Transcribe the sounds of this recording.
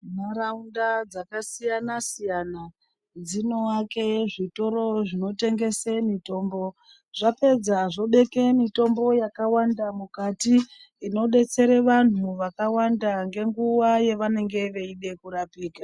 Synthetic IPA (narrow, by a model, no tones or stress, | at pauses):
maɾaundad͡zakasijanasijana | d͡zino̞ake̞ʐito̞ɾo̞ʐino̞te̞ŋɡe̞semito̞ːmbo̞ | ʐ̥ape̞d͡zaʐo̞ɓe̞ke̞mito̞mbo̞jakawandamukatiː | no̞ɗe̞t͡se̞ɾeʋan̤uʋakawandaŋɡe̞ŋɡuwaje̞ʋane̞ŋɡe̞ʋe̞iɗe̞kuɾapiːka